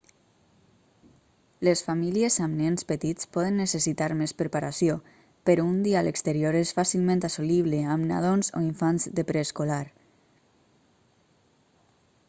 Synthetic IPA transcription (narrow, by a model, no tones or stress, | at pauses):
lesfamiliezamnɛnspət̪it͡spɔðənːesəsit̪aɾmespɾəpaɾasio | pəɾund̪ialʔəkst̪əɾjoɾesfasilˠmẽnt̪asoliβleamna̰ð̞onzo̰iɱfanzðepɾeskolaɾ